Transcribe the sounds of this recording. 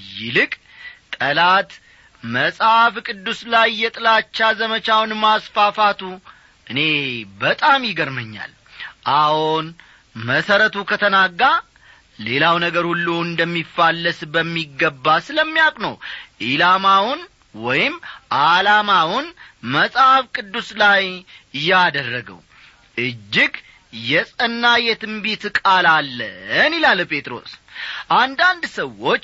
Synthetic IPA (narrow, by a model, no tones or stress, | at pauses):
jɪlɨkʼ | t̪ʼəlat̪ | məsʼafkʼɨd̪ːuslajːɛt̪ʼɨlat͡ʃːazəmət͡ʃawnmasfafat̪ʰu | ʔɨne̞bət̪ʼamjɪɡəɾməɲːa̰l | ʔahon | məsəɾət̪ʰukʰət̪ʰənaɡːa | le̞lawnəɡəɾhulːuɨnd̪əmːifːalːəsbəmːiɡːəbːasɨləmːijakʼnə̰wʔilamawʊn | wɔjɪmʔalamawʊnməsʼhafkʼɨd̪ːuslajjad̪ərːəɡə̰w | ʔɨd͡ʒːɪɡ | jɛsʼənːajɛt̪ɨmbit̪kʼalalːə̰nilalpʰe̞t̪ʼɾo̞̰sʔand̪and̪səwːo̞t͡ʃː